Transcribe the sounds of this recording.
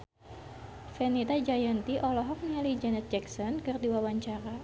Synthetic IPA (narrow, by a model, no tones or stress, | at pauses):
fɛnit̪ad͡ʒajant̪iʔɔlɔɦɔk̚nialid͡ʒanɛt̪̚d͡ʒɛksɔnkɨrdiwawaɲt͡ʃaɾa